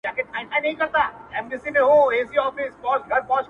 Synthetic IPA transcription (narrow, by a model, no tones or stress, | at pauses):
ãːket̪ʰãːɪ̃ʈãnɐ̃ɦĩkɐɾt̪aɛmnɪsimẽɦoeːsiɔːfɪsbɔːsɡʱɐɾbɔːt͡ʃ